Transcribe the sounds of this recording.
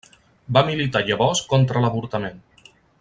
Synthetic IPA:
bamilit̪aʎəβɔskɔnt̪ɾələβuɾt̪əmen

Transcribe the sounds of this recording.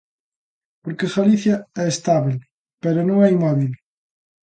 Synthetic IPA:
poɾkexaliθjaɛest̪aβel | peɾonõŋɛimɔβil

